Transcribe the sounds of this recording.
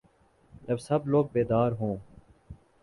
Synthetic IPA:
d͡ʒəbsəbloːɡ̚beːd̪aːɾɦõː

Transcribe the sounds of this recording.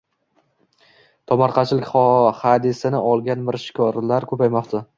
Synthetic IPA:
t̪ʰɒmɑɾqʰɑt͡ʃʰlɪkʲχɒhad̪ɪsɪnɪʔɒlˠɡʲanmɪɾʃɪ̥kʲʰɒɾlaɾkʰɵpajmɒqt̪ʰa

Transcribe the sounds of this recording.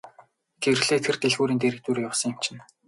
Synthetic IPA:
ɡerɣɮeːt̪ʰert̪eɮɣuːɾiːnt̪eɾɘ̆k̚t̪uːɾjawsə̆ŋɪm̥t͡ɕʰɪ̆n

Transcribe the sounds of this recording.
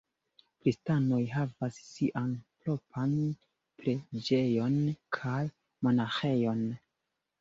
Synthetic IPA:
pɾistano̞jɦavasːiʔanplo̞pʰan | pɾe̞d͡ʒe̞jo̞nkʰaj | mo̞naxe̞jo̞n

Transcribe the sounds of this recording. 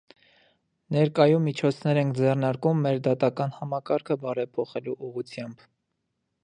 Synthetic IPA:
nɛɾkɑjumːit͡ʃʰɔt͡sʰnɛɾɛŋkʰd͡zɛrnɑɾkumːɛɾd̪ɑt̪ɑkɑnhɑmɑkɑɾkʰəbɑɾɛpʰɔχɛluʔuʁut͡sʰjɑmb

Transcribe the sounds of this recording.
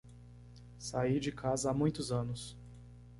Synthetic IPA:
said͡ʒɪkʰazɐamũj̃t̪ʊzɐ̃nʊs

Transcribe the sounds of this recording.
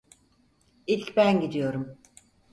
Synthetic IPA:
ilʲcbænɟid̪ijo̞ɾum

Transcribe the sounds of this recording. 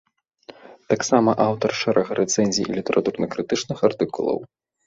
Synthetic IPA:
t̪aksamɐʔawt̪ɐrʂɛɾʔɐɣɐɾʔɛt̪sɛnʲzʲijḭlʲit̪ɛɾʔat̪urnɐkɾɨt̪ɨt͡ʂnɨxart̪ɨkulˠɐ̰w

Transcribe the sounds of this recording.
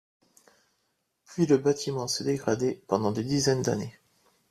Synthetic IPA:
pɥiləbat̪imɑ̃sɛd̪eɡʁad̪epɑ̃d̪ɑ̃d̪ed̪izɛnd̪a̰ne

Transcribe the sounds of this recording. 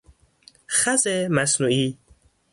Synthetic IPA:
χazemasnui

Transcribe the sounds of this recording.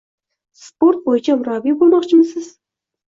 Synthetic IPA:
sport̪̚bojɪt͡ʃʰɑmʊɾɑbibolˠmɑqt͡ʃʰɪmsɪz̥

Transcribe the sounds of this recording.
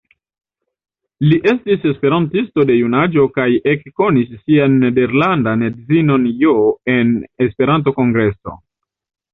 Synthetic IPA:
liʔe̞stise̞spe̞ɾantisto̞de̞junad͡ʒo̞kaje̞kːo̞nisːianːe̞de̞ɾlandanedzino̞njoe̞nespe̞ɾant̬o̞ko̞ŋɡɾe̞so̞̰

